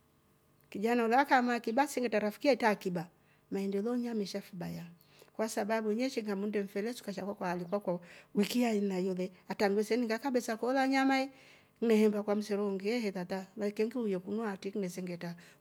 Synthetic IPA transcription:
kid͡ʒanaulaakamakibasɛŋɡɛtaɾafi̥kiaitaːkiba | maɛndɛlɔɲamiʃafiba̰ja | kwasababuɲɛʃiŋɡamundɛɱ̩fɛlɛsu̥kaʃakwakwaalikwakwawikiainajulɛataŋɡwɛsɛniŋɡakabɛsakɔlaɲamaɛ | ŋ̩nɛhɛmbakwam̩sɛɾɔŋɡiɛhɛðatalaikɛŋɡiujɔkunɔatiknɛsɛŋɡɛta

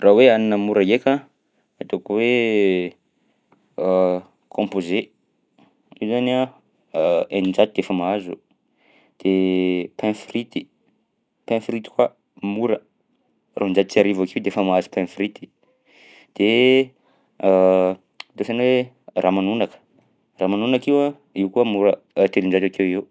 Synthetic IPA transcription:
raweaninəmuɾajekʲa | at̪okuwe | kʰõmpoze | iwzana | enind͡ʒad̪id̪efəmaazṵ | d̪̥epɛ̃frit̪i̥ | pɛ̃frit̪i̥kwa | muɾə | rand͡ʒad̪it͡siaɾivakewd̪eefəmaazu̥pɛ̃frit̪i̥ | d̪̥e | d̪osanwe | ramanunakə̥ | ramanunakiwa | iwkuəmuɾə | t̪elind͡ʒat̪akewewu

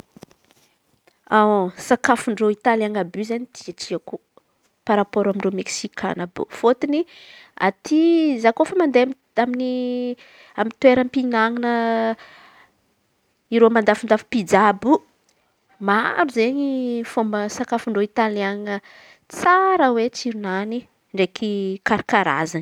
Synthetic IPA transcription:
asakafuɳɖ͡ʐoit̪alaŋabyzanit̪ʰiaʈ͡ʂiaku | paɾapoɾamiɳɖ͡ʐomeksikʰa̰nabṵfot̪inia̰t̪ʰizakofəmand̪eam | amini | amit̪weɾəmpinaŋinə | iɾomand̪afund̪afi̥pid͡zabu | maɾuzeɲifombəsakafuɳɖ͡ʐoit̪alaŋə | t͡saɾəwet͡siɾunani | ɳɖ͡ʐekikaɾikaɾa̰zan

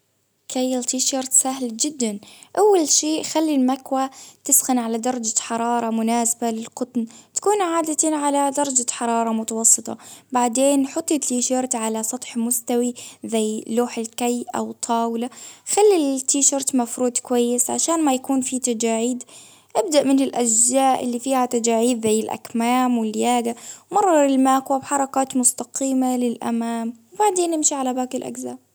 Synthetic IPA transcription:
kʰajːɪlt̪iːʃɑɾˤt̪saɦld͡ʒɪd̪ːanʔawːalʃiːxalːilmakwat̪ɪsxɪnʕalad̪ɑɾˤɑd͡ʒaħɑɾˤɑːɾˤɑmʊnaːsabalɪlqʊt̪nt̪ḁkuːnʕaːd̪at̪ʕalad̪ɑɾˤɑd͡ʒaħɑɾˤɑːɾˤɑmʊt̪awɑsˤːɨt̪ˤɑ̰baʕd̪eːnħʊt̪ˤːit̪iːʃɑɾˤt̪ʕalasˤɑt̪ˤħmʊst̪awizajluːħɪlkajʔa̰wt̪ˤʰːɑːwɪlaxalːit̪iːʃɑɾt̪mafɾuːd̪kwajːɪsʕa̰ʃaːnmajakuːnfit̪ad͡ʒaːʕiːd̪ | ʔɪbd̪aʔmɪnɪlʔaʒzaːʔɪ̰lːifiːhat̪ad͡ʒaːʕiːd̪zajːɪlʔa̰kmaːmwɪlːjaːɡawmɑrˤːɑɪlmaːkwabħɑɾˤɑkaːt̪mʊst̪aqiːmalɪlʔa̰maːmwbaʕd̪eːnʔɪmʃiʕalabaːkɪlʔa̰ɡzaː

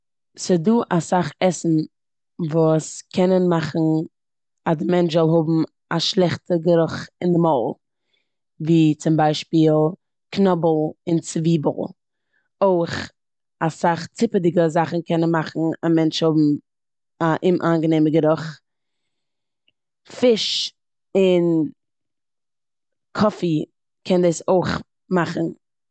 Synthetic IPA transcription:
sɪduːʔasaχɛsn̩ | vuːskʰɛnənmaχn̩ | adɪmɛnt͡ʃzɔlˠɦʊbm̩ | aʃlˠɛχtəɡəɾʊχɪndɪmɔːlˠ | viːt͡sɪmbaɪʃpiːlˠ | knɔbl̩ˠɪnt͡sviːbəl̩ˠ | oɪχ | asaχt͡sɪpədɪɡəzaχn̩kʰɛnənmaχn̩amɛnt͡ʃhʊbm̩ | aʔɪmʔaːnɡəneɪməɡəɾʊχ | fɪʃ | ɪn | kʰɔfi | kʰɛndɛsoɪχ | maχn̩

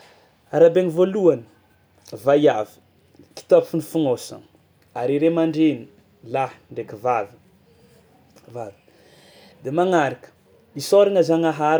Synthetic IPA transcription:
aɾabeŋivoluanə̥ | vajavi̥ | ki̥t̪apfunifuŋosa̰ŋ | aɾiɾemaɳɖ͡ʐeni | lahɳɖ͡ʐekivavi | vavi̥ | d̪emaŋaɾakə̥ | isoɾiŋazaŋaɦaɾ

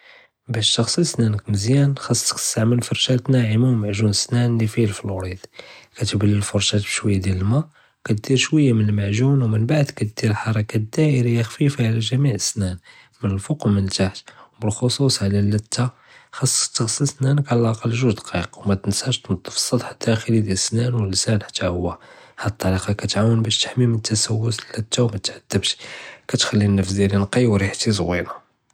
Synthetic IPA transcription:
bæʃt̪ɑxsˤisnænəkməzjænxɑsˤːə̥k̚t̪ə̥st̪aʕməlfoɾˤʃæt̪næʕəmawlmaʕʒunəsnænlifilfilwɾid̪kæt̪bəlːəlfʊɾˤʃæt̪bʃwəjːad̪jæləlmæ | wkæt̪̚d̪iɾʃwəjːamənəlmaʕʒunwmənbaʕd̪kæt̪̚d̪̥iɾəlħɑɾˤɑkæd̪æʔəɾijːaxfifaʕlæʒæmiʕəsːnæn | mənəlfoqmənt̪aħt̪wbəlxosusˤʕlælːæt̪ʰːa | xɑsˤːt̪ːəɣsəsnænəkʕlælʔɑqəlːʒuʒd̪qiqwmæt̪ənsæʃt̪nɑd̪ˤːəfsˤːɑd̪ˤħḁt̪ːæʔxəlid̪jæsnænwəlsænħḁt̪ʰːæhʊwːæhæd̪ət̪ˤːɑɾiqɑkæt̪ʕawənbæʃt̪ə̥ħmimənət̪ʰːæsæwːʊsəlːæt̪ːawmæt̪ʕad̪̥ːəbʃkæt̪xælːinːəfzilinqiwɾiħt̪isˤwḭna

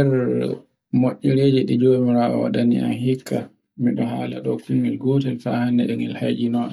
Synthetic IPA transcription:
ɛɾ | moʔːiɾeːd͡ʒɛɗid͡ʒomiɾaɔ̰wa̰ɗanḭa̰nhikʰːa | miɗɔhaːlaɗɔfimilɡoːtɛlfahanːɛ̰ɗɛŋɛlhad͡ʒinɔɗ

